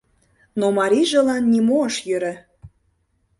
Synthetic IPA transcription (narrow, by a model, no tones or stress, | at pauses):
nomɑɾʲiʒĕlɑnːimoəʃjøɾɘ̆